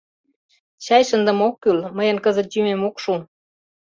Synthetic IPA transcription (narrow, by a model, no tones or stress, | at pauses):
t͡ɕɑjʃənd̪ə̆mokːylməjənkəzə̆t̪̚jymemokʃu